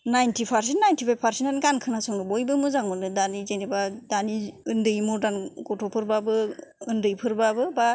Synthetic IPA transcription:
najntʰipʰaɾs̬entnajntʰipʰajpʰaɾsenanɡankʰɯnasɔŋɡɯbɔjbɯmɯzaŋmɯnɯdanizenibadaniɯndɯjmɔɾdanɡɔtʰɔpʰɯɾbabɯːndɯjpʰɯɾbabɯba

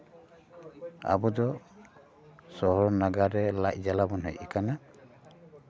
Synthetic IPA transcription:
a̰bud̪ɔ | sɔɦɔɾnaɡaɾɛlaʔd͡ʒalabɔnɦɛ̰jikana

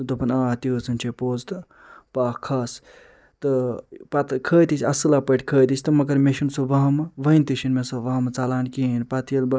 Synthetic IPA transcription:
t̪ɨt̪opɐnaːt̪it͡sɨnʲt͡ʃʰepoːzt̪ɨ | paːkʰaːs | t̪ɨpɐt̪kʰəːt̪isʲɐsɨlaːpəʈʲkʰəːt̪isʲt̪ɨmɐɡɐɾmeʃinsoʋɐɦmʋɐinʲt̪iʃinmesoʋɐɦmt͡saːlaːnkinpɐt̪jɐlb

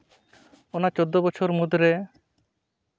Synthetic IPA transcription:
ɔnat͡ʃod̪ːɔbɔt͡ʃʰɔɾmud̪ɾe

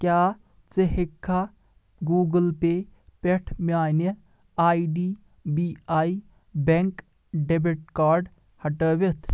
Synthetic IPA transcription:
kjaː | t͡seɦekʰːa | ɡuːɡəlpepeʈʰmʲaːne | aːiɖiː | biːaːi | beŋk | ɖebiʈ̚kaːɾɖ | hɐʈəːʋet̪ʰ

